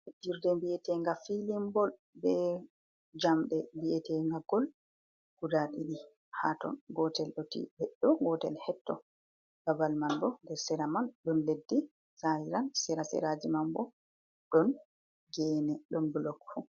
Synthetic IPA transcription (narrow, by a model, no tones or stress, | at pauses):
diɾdɛmbiɛtɛŋɡafilimbɔl | bɛ | d͡ʒamɗɛmbiɛtɛŋɡaɡɔl | ɡ̥udaɗiɗi | hatɔ̰nɡɔtɛlɗɔtḭbɛɗːɔɡɔtɛ̰lhɛtːɔ̰ | ɡabalmandɔndɛɾsɛɾamanɗɔnledːi | sajiɾansɛɾasɛ̰ɾad͡ʒimambɔ | ɗɔn | ɡɛːnɛɗɔnbulɔkfu